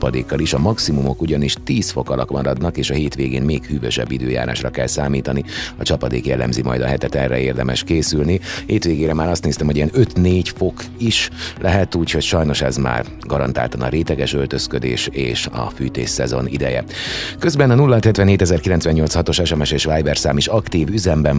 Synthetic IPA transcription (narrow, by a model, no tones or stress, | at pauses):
pɒd̪eːkːɒliʃɒmɒksimumo̞kuɟɒniʃt̪iːsfo̞kɒlɒkmɒɾɒd̪nɒkeːʃɒɦeːt̪ʋeːɡḛːnmeːkhyːvø̰ʃɛ̰bːid̪ø̰ːja̰ːɾa̰ːʃrɒkɛlsaːmiːt̪ɒniɒt͡ʃɒpɒd̪eːkjɛlːɛ̰mzimɒ̰jd̪ɒ̰ɦɛt̪ɛt̪ɛ̰rɛ̰eːrd̪ɛmɛ̰ʃkeːsylniheːt̪ʋeːɡeːɾɛmaːɾɒst̪neːst̪ɛmho̞ɟiɛnø̞t̪neːɟfo̞k | iʃlʔɛɦɛt̪uːcho̞cʃɒjno̞ʃɛzma̰ːr | ɡɒɾɒ̰nt̪a̰ːlt̪ɒnɒ̰ɾeːt̪ɛɡɛʃølt̪ø̞skød̪ḛːʃeːʃɒ̰fyːt̪ḛːʃsːɛzo̞̰nid̪ɛjɛ̰kø̞zbɛnɒnulːɒɦɒt̪hɛt̪ʋɛnɦeːt̪ɛzɛrkilɛnsʋɛɲɲolt̪shɒt̪o̞ʃɛʃɛmɛʃeːʃʋaːjbɛrsaːmiʃɒkt̪iːvyzɛmbɛn